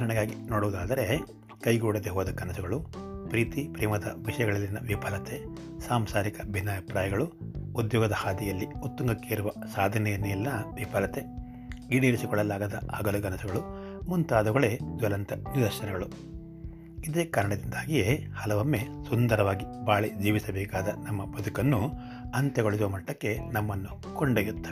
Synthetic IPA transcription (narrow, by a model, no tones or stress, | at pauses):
ɐɾɐɳɐɡaːɡinoːɽuʋud̪aːd̪ɐɾe̞ | kɐjɡoːɽɐd̪eɦɔːd̪ɐkɐnɐsuɡɐɭupɾiːt̪ipɾiːmɐd̪ɐ̰ʋiʂɐjɐɡɐɭɐlːinːɐʋipɐlɐt̪e | saːmsaːɾikɐbʱinːaːʋipɾaːjɐɡɐɭuud̪jɔːɡɐd̪ɐhaːd̪ijɐlːiut̪ːuŋɡɐkːeiɾuʋɐsaːd̪ʱɐnɛjɐnːeɐlinɐʋipɐlɐt̪e | ɡiɽiɾisikɔɭːɐlːaːɡɐd̪ɐ̰ɐ̰ɡɐluɡɐnɐsɐɡɐɭu | munt̪aːd̪ɐɡɐɭed͡ʒ̪ʋɐlɐnt̪ɐnid̪ɐɾʃɐnɛɡɐɭu | id̪eːkaːɾɐɳɐd̪ind̪aːɡijehɐlɐʋɐmːe̞sund̪ɐɾɐʋaːɡibaːɭed͡ʒiːʋisɐbɛːkaːd̪ɐnɐmːɐbɐd̪ukɐnːu | ɐnt̪jɐɡoɭisuʋɐmɐʈːɐkːe̞nɐmːɐnːu | koɳɖeːjut̪ːɐ